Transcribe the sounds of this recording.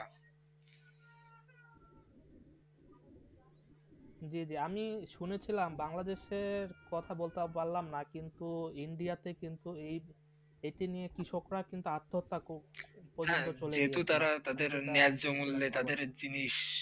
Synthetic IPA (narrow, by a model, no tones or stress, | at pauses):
d͡ʑid͡ʑiamiʃunet͡ɕʰilambaŋlad̪eʃeɾkɔt̪ʰabolt̪epaɾlːamnakint̪uiɳɖijat̪ekint̪uej | eʈinijekɾiʃokɾakint̪uat̪ʰːoot̪ːakopɔd͡ʑont̪ot͡ɕoleeɦet̪ut̪aɾat̪ad̪eɾnead͡ʑomulːet̪ad̪eɾd͡ʑiniʃ